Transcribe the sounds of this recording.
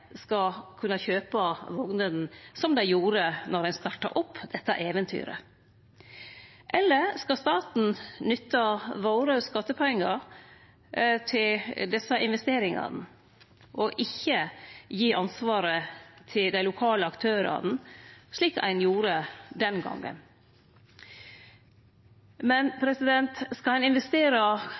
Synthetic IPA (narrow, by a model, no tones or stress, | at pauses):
skɑkʰʉnːɑçøːpɑʋɔɡnəd̪n̩sɔmd̪æɪjuːɾənɔɾdænst̪ɑʈːɑ̰ɾʔɔpːd̪ɛt̪ːɑ̰ʔeːʋənt̪ʰy̰ːɾə̰ | ʔɛlːəskɑst̪ɑːt̪n̩nʏt̪ːɑʋoːɾəskɑt̪ːəpʰɔɛŋːɑɾ | t̪ʰɪld̪ɛsɑʔɪnʋɛst̪eːɾɪŋɑ̰nə | ʔɔʔɪçːəjiːʔɑnsʋɑːɾət̪ʰɪld̪æɪlʊkʰɑːləɑkt̪ʰøːɾɑ̰n̩ʂɭiːkæ̰ɪnjuːɾəd̪ɛnɡɑ̰ŋːə̰n | mɛnpʰɾɛsɪd̪ɛnt̪skɑhɑnɪnʋɛst̪eːɾɑ